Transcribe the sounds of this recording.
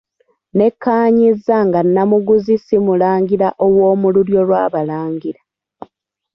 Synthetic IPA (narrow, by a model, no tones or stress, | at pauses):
ne̞kːaːɲizːaŋɡanːamuɡuzisimulaːŋɡiɾaʔo̞wo̞ːmuluɾjo̞lwaːβalaːŋɡiɾa